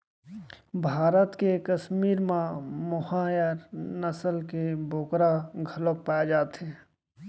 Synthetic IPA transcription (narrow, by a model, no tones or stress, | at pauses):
bʱaːɾət̪kekəsmiːɾmãmʊhajəɾnəsəlkebʱoːkɾaɡʱəlok̚paːd͡ʒaːt̪ɦeː